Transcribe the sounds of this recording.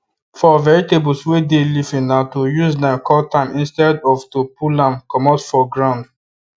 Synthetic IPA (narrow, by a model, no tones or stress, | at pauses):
fɔvɛɹitebulswedelifĩnnatojuznakʰɔltãmĩnstɛdɔftupulãmkɔmɔtfɔɡɹãnd